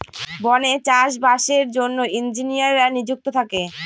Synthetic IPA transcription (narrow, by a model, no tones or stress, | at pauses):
bɔnet͡ɕaʃbaʃeɾd͡ʑonːoind͡ʑinijaɾanid͡ʑuk̚t̪ot̪ʰake